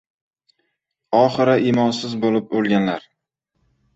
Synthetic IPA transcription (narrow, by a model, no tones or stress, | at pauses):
ɒχɨɾaʔimɒnsɪzbolɪp̚bolˠɡʲanlaɾ